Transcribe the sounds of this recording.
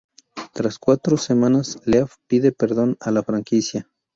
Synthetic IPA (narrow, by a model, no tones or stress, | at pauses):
t̪ɾaskwat̪ɾosemãnasleafpiðe̞peɾðo̞nalafɾaŋkisja